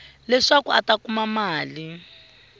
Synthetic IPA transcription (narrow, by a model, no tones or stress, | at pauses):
lɛʂakuatakumamaːli